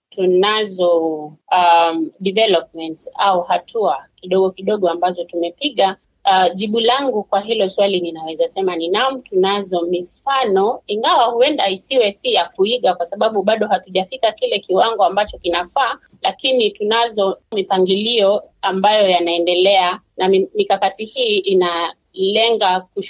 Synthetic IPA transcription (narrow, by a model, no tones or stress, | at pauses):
tunazɔaɗivɛlɔp̚mɛntsauhatʰuakiɗɔɠɔkiɗɔɠɔambazɔtumɛpiɠa | ʄiɓulaŋɡukwaɦilɔswalininawɛzasɛmaninamutunazɔmifanɔiŋɡawahuɛndaisiwɛsijakuiɠakwasaɓaɓuɓaɗɔɦatuʄafikakilɛkiwaŋɡɔambat͡ʃɔkinafaː | lʔakinitunazɔmipaŋɡiliɔambajɔjanaɛndɛlɛa | namikakatihiːʔina | lɛŋɡaku